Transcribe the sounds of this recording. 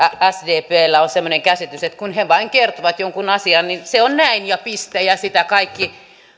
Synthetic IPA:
ææsdeːpeːlːæonsemːoneŋkæsit̪yset̪kunheʋɑiŋkert̪oʋɑt̪joŋkunɑsiɑnninseonnæinjɑpist̪æjɑsit̪ækɑikːi

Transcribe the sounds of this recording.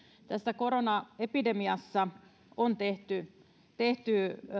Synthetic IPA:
t̪æsːækoɾonɑepidemiɑsːɑ | ont̪eht̪y | t̪eht̪y

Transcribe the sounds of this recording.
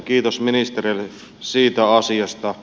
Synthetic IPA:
kiːt̪osminist̪eril | siːt̪æɑsiɑst̪ɑ

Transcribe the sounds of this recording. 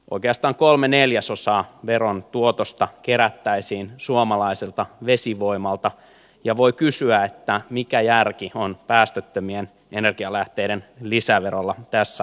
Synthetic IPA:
ʔo̰ikeɑst̪ɑːŋkolmeneljæsosɑːʋeront̪uot̪ost̪ɑkeɾæt̪ːæisiːnsuomɑlɑiselt̪ɑʋesiʋoimɑlt̪ɑ | jɑʋo̞ikysyæet̪ːæmikæjærkionpæːst̪øt̪ːømien | enerɡ̥iɑlæht̪eiɾenlisæʋeɾolːɑt̪æsːæ

